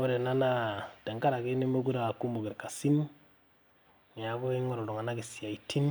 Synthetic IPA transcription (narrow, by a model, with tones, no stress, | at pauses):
o˦ɾe˨na˦na˦de˨ŋka˦ɾa˨ke˦ne˦mo˦ku˦ɾa˦˨ku˦mbu˨ɡe˨ɾka˨si˦n | ŋ˨a˨ko˦e˦ŋɔ˦ɾɔ˨lo˨ŋa˨na˦ɡi˨si˨a˨i˨ti˦n